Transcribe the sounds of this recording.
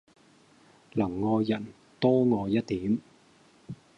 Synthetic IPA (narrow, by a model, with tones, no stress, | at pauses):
lɐ˨˩ŋːɔː˧jjɐ˨˩n | t̪ɔː˥ŋɔː˨˧jɐ˥t̚t̪iː˨˥m